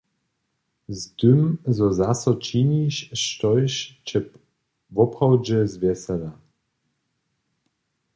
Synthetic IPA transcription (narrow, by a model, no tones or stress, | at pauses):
zt̪ʏmzɔzasɔt͡ʃiɲiɕʃtɔjɕt͡ɕɛ | vɔpχɔwd͡ʒɛzvʲjɛsɛla